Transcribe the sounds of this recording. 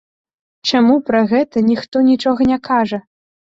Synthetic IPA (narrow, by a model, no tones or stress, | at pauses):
t͡ʂamupɾɐɣɛt̪ɐnʲixt̪ɔnʲit͡ʂɔɣɐnʲɛkaʐɐ